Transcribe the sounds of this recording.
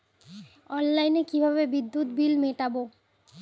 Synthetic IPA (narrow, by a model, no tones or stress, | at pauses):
ɔnlajnekibʱaβebid̪ːut̪bilmeʈabo